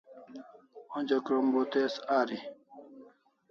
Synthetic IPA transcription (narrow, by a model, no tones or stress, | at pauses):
od͡ʑɐkɾombot̪esaːɾi